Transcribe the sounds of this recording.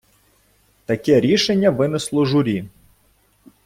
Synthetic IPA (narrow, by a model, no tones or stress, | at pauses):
t̪ɐkɛɾʲiʃenʲːɐʋɪnɪslˠɔʒʊɾʲi